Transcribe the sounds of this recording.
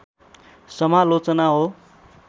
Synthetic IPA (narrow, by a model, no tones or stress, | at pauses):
sʌmalot͡sʌnaɦo